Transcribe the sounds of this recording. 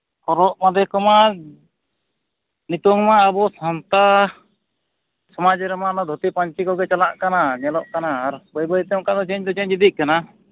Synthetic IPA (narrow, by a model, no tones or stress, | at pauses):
kɔɾɔʔmad̪ɛkɔma | nit̪ɔŋmaːbɔsant̪a | sɔmad͡ʒɛɾɛmaʔnɔd̪ʱɔt̪ipaɲt͡ʃikɔɡɛt͡ʃalaʔkanaɲɛlɔʔkanaːɾbɔjbɔjt̪ɛɔŋkad̪ɔt͡ʃɛɲd̪ɔt͡ʃɛɲd͡ʒid̪iʔ̚kana